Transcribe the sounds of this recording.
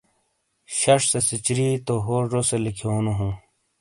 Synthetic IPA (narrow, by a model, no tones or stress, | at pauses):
ɕɐʂsesit͡ɕɾiːt̪oɦoːʐoselikʰoːnoɦũ